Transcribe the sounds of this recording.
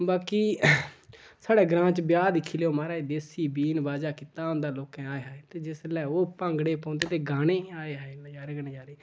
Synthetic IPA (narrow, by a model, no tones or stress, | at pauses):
baːkiː | saːɽɛːɡɾãːt͡ʃbjaːd̪ɪkʰːiːleːoːmaːɾaːiːd̪eːsiːbiːnbaːd͡ʒaːkit̪aːʊ̃nd̪aːloːkɛ̃ːaːeɦaːet̪eːd͡ʒɪslɛːoːpãŋɡɽeːpãːnd̪eːt̪eːɡaːɽ̃eːaːeːad͡ʒaːɾeːɡaneːd͡ʒaːɾeː